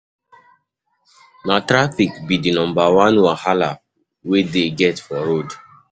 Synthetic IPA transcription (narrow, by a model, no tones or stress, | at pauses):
natɾafikbidinɔ̃mbawãnwahala | wedeɡɛtfɔɾod